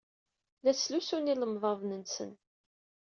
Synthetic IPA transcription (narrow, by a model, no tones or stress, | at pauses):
læslusuniləmðˤəvnənsə̰n